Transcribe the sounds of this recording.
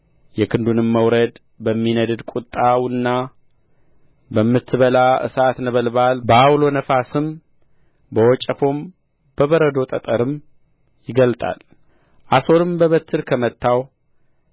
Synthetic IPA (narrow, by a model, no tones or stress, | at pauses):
jɛkʰɨnd̪unɨmːəwɾəd̪ | bəmːinəd̪ɨd̪kʷʼut̪ʼːawʊnːa | bəmːɨt̪ʰːɨβəlaʔɨ̰sat̪nəβəlbalbəawlo̞nəfasɨm | bəwɔt͡ʃʼəfo̞m | b̥əβəɾəd̪o̞t̪ʼət̪ʼəɾɨm | jɪɡəlt̪ʼa̰l | ʔaso̞lɨmbəβət̪ʰːɨɾkʰəmət̪ʰːaw